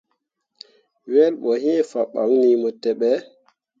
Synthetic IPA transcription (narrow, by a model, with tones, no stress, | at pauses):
wɛlɓɔ˨ɦi˦fa˨ɓa̰˨ŋnimɔ˨tɛɓɛ